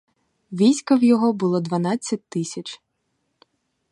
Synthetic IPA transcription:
ʋʲijsʲkɐwjɔɦɔbʊlˠɔd̪ʋɐnɑt͡sʲːɐt̚ʲt̪ɪsʲɐt͡ʃ

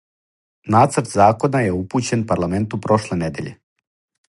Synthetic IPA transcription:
naːt̪sɾt̪zaːko̞najeupuːt͡ɕe̞npaɾlˠament̪upɾo̞ʃlened̪e̞ʎḛ

